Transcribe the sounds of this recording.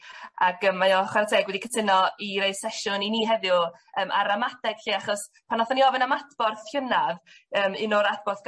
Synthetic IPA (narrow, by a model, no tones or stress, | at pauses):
akəmːajɔχwaɾtʰɛːɡwɛdikʰətʰɪnɔiɾejsɛʃʊniniːɦɛðɪəːmʔa̰ɾamatɛɡ̥ɬiːaχɔs | pʰanɔθɔniɔvɪnamatʰb̥ɔrθɬənav | əːmɪnɔɾat̚ʰbɔrθɡ